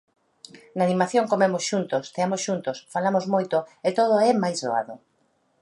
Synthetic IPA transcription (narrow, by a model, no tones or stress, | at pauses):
nanimaθjoŋkomemosʃunt̪ʊst̪eamosʃunt̪ʊsfalamozmojt̪ʊet̪oðʊɛmajzðoa̰ðʊ